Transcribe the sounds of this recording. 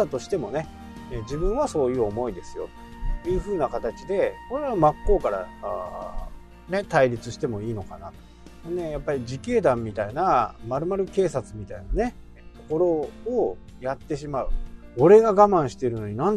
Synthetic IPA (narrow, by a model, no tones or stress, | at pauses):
at̪o̞ɕi̥t̪e̞mo̞ne̞ | ed͡ʑibɯ̟̃ɰ̃βaso̞ːjɯ̟ːo̞mo̞id̪e̞sɨ̥jo̞̰t̪o̥ | jɯ̟ːɸɯ̟ːnakat̪at͡ɕid̪e̞ko̞ɾe̞βamakːo̞ːkaɾa̰a | ne̞t̪aiɾʲit͡sɨɕi̥t̪e̞mo̞iːno̞kanat̪o̥ | nne̞japːaɾʲid͡ʑike̞ːd̪ãmːʲit̪ainamaɾɯ̟maɾɯ̟ke̞ːsat͡sɨmʲit̪ainane̞ | t̪o̞ko̞ɾo̞ː | jat̪ːe̞ɕimaɯ̟o̞ɾe̞ɡaɡamãɰ̃ɕi̥t̪e̞ɾɯ̟no̞ɲ̟inãn